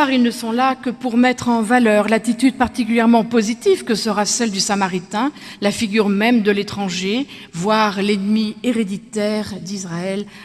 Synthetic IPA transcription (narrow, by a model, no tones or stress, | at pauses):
aʁilnəsɔ̃lakəpuʁmɛt̪χɑ̃valœʁlat̪it̪yd̪̚paʁt̪ik̬ʲyljɛʁmɑ̃pozit̪ivkəsəʁasɛld̪ysamaʁit̪ɛ̃ | lafiɡʲyʁmɛmd̪əlet̪χɑ̃ʒe | vwaʁlɛnmieʁed̪it̪ɛʁd̪isʁaɛl